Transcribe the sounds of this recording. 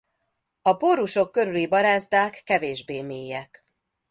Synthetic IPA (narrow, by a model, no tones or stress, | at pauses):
ɒpoɾuʃo̞kːø̞ɾylibɒɾaːzd̪aːkːɛveːʒbeːmeːjːɛk